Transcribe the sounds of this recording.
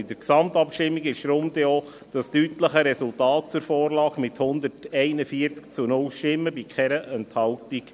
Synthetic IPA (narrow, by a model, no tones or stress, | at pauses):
ɪdəɾksɑmt̪ɑpʃtɪmːiɡɪʃɾʊmd̪ɛo | d̥ɑstytləχəɾɛsʊltɑːt̚t͡suɾfɔːɾlɑːɡmɪthʊnd̪ətɛɪnəfiəɾt͡skt͡sunʊlʃtɪmːəbikʰχɛɾəʔɛnthɑltik